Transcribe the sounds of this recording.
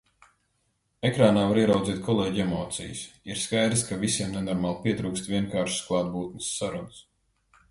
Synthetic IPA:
ekɾaːnaːvaɾiɛɾawd̪ziːt̪̚kʰɔlˠeːɟemɔːt̪sḭjṵsiɾskajd̪ɾskavisʲiɛmnenɔɾmaːlˠpʲiɛt̪ɾuːkst̪vʲiɛŋkaːɾʃu̥sklˠɑːd̪̚buːt̪nə̥sːaɾuns

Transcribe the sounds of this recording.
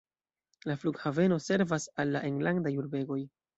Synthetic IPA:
lafluɡhave̞no̞se̞ɾvasalːaʔeŋɡlandajuɾbe̞ɡo̞j

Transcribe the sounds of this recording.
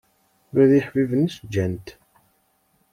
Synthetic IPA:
ɾæðiħvivənisd͡ʒːænt̪

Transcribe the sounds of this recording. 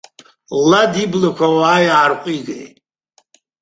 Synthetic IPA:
ladiblakʷawaːjaːrqʷʼiɡḛ

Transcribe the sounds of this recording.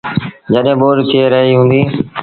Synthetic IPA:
d͡ʒəɗɦẽɓoːɾt̪ʰieɾəɦiɦũːnd̪iː

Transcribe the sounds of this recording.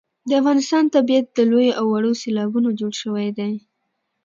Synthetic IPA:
d̪əafɣɑnɪst̪ɑnt̪abiat̪̚d̪əlojoʔawːaɽoselɑbunod͡ʒoɽʃəwajd̪aj

